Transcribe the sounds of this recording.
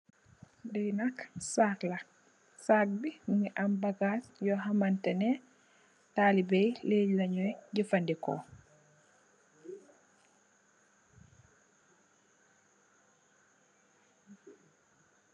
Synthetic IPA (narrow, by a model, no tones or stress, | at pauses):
dɛjnaksakla | sak̚bimuŋiʔambaɡasjɔɦamantɛnɛ | taːlibɛjleɟlaɲɔjɟifandikɔ̰